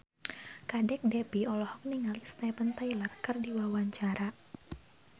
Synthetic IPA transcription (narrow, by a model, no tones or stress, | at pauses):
kadɛk̚dɛpiɔlɔhɔk̚niŋalisnɛpənt̪ajlərkərdiwawaɲt͡ʃaɾa